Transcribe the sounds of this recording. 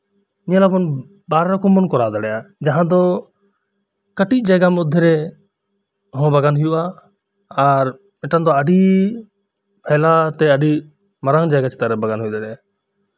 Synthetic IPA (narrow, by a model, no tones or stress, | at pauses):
iɲãlabɔn | baɾɾɔkɔmːɔnkɔɾad̪aɽɛjad͡ʒaɦãd̪ɔ | kəʈic̚ˀd͡ʒajɡamud̪ʱːɛɾɛ | ɦɔ̃baɡanɦujuʔaː | ɾ | mɛʈand̪ɔəɖi | pʰɛlat̪ɛəɖi | maɾaŋd͡ʒaɡat͡ʃʰɛ̥t̪aɾɛbaɡanɦujud̪aɽɛja